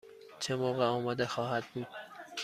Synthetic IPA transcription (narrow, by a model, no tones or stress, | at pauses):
t͡ʃʰe̞moːɣeɒːmɒːd̪exɒːhæd̪̚buːd̪